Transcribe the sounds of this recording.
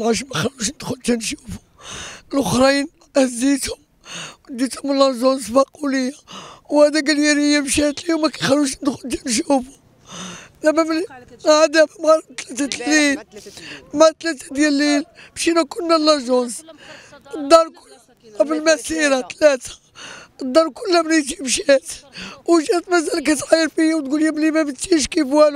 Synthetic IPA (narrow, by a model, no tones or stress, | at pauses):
mʕaʃ̬mæxæluʃnəd̪xʊlt̪ænʃu̥fu̥ | lʔoxɾin | hzit̪hʊm | d̪it̪hʊmlːɑʒonsfæq̚uləjawhæd̪æɡəljæɾəjːamʃæt̪liwmækæ̥jxæluʃnəd̪xʊlt̪ænʃ̬ufu̥ | d̪æmæmlhad̪æmæmʕalt̪læt̪æt̪lil | mat̪læt̪æd̪jælːilbʃinækʊnːælːæʒʊnz | d̪ɑɾˤkʊl | bəlmæsiɾat̪læt̪ḁ | əd̪ˤːɑɾˤkʊlːæbnit̪imʃæt̪wʃæt̪mæzælk̬æt̪ʕajːəɾfijwt̪ɡuljæmlimæmət̪ːiʃkifæl